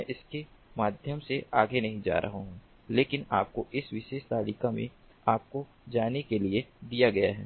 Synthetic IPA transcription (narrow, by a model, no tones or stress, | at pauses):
mɛ̃ʔɪskemaːd̪ʱjəmseaːɡenɐɦĩd͡ʒa̰ːɾʔɐ̰ɦoɦũː | leːkɪna̰ːp̚koʔɪsʋɪʃeːʃt̪aːɽikamḛ̃ | aːp̚ko | d͡ʒaːnekelied̪ijaɡɐjaɦɛ̰ː